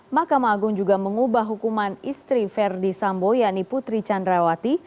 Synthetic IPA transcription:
mahkamaːɡʊŋd͡ʒuɡaməŋubaɦɦukumanist̪ɾifɛrdisambojaʔniput̪ɾit͡ʃandɾawat̪i

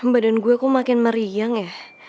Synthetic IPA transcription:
əmbadanɡuɛkɔmakɪnməɾijaŋjah

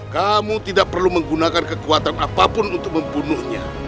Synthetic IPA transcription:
kamut̪idaʔ̚pərluməŋɡunakankəkuat̪anapapʊnunt̪ʊk̚məmbunʊhɲa

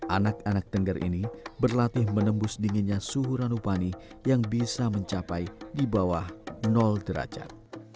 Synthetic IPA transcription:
ʔanak̚anak̚t̪əŋɡərʔḭnibərlat̪ɪhmənəmbʊsdiŋinɲasuɦuɾanupanijaŋbisaməɲt͡ʃapajdibawahnɔldəɾa̰d͡ʒa̰t̪̚

